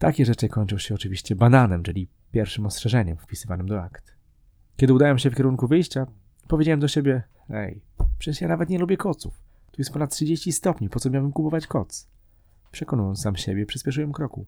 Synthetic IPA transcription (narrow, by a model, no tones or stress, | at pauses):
t̪akʲɛʐɛt͡ʂɘkɔɲt͡ʂɔw̃ɕɛɔt͡ʂɘvʲiɕt͡ɕɛbananɛmt͡ʂɘlʲi | pʲjɛɾfʂɘmɔstʂɛʐɛɲɛmfpʲisɘvanɘmd̪ɔa̰kt̪ | kʲɛd̪ɨud̪awɛmɕɛfkʲɛɾuŋkuvɘjɕt͡ɕa | pɔvʲjed͡ʑawɛmd̪ɔɕebʲjɛ | ɛ̰j | pʂɛjanavɛt̪ɲɛlubʲjɛkɔt̪sṵf | t̪ujɛspɔnat̪̚tːʂɘd͡ʑeɕt͡ɕist̪ɔpɲipɔt̪sɔmʲawbɘmkupɔvat͡ɕkɔt̪s | pʂɛkɔnujɔ̃nsamɕebʲjɛpʂɨspʲɛʂ̬ujɛmkɾɔkṵ